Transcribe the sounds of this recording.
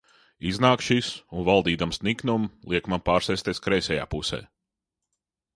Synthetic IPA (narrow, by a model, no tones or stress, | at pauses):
iznaːkʃisunvalˠd̪iːd̪amsniknumlˠiɛkmanpaːɾsɛjsʲt̪ʲiɛskɾɛjsʲɛja̰ːpusɛ̰ː